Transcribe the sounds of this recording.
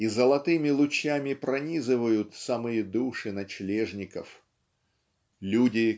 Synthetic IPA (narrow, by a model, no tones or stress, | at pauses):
izəlˠɐt̪ɨmʲɪlˠʊt͡ɕjamʲɪpɾɐnʲizɨvəjʊt̪samɨjəd̪uʂɨnɐt͡ɕlʲeʐnʲɪkəf | lʲudʲɪ